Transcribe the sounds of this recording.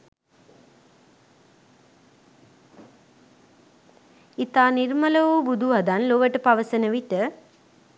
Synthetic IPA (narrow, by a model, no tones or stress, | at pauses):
it̪aːnirmələʋuːbud̪ʱuʋad̪anloʋəʈəpaʋəsənəʋiʈə